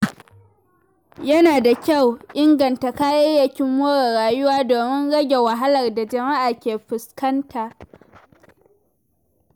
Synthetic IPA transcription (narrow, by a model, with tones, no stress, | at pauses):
jɐ˦naː˨da˨kʲa˦˨wʔɪ˦ŋɡɐ˨nta˨kaː˦jɐ˦jɐ˨kʲɪ˦mːoː˦ɽɐ˨ɽaː˨jʊ˦waː˦doː˨mɪ˦nɽɐ˦ɡʲe˨wa˨ɦa˦lɐ˨rda˨d͡ʒɐ˨ma˦ʔaː˨kʲeː˨ɸɪ˨skɐ˦nta˨ʔ